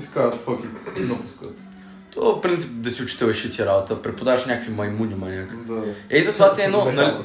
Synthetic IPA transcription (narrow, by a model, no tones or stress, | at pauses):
skaɾt̪fəkʲit̪inɐpu̥skət̪ | t̪ofpɾint̪sipd̪ɐsiʊt͡ʃi̥t̪ɛvɐʃit̪ʲiɾabot̪əpɾɛpod̪avəʃnʲakəkvimɐjmunimɐlʲakd̪aɛizɐt̪ovasɛd̪nɔnɐ